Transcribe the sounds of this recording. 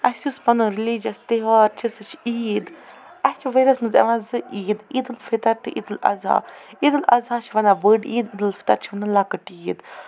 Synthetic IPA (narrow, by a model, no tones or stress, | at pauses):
ɐsuspɐnɨɾilid͡ʒɐst̪eɦɔːɾt͡ʃʰisɨt͡ʃʰiːd̪ | ɐst͡ʃʰiʋɐɾɐsmɨzɐ̰ʋãːzɨʔiːd̪iːd̪ɨlfit̪ɐɾt̪ɨʔḭd̪ɨlɐ̰za̰ːid̪ɨlɐ̰zaːt͡ʃʰiʋɐnabəːɖiːd̪id̪ɨlfi̥t̪ɐɾt͡ʃʰiʋɐnɨlakəʈiːd̪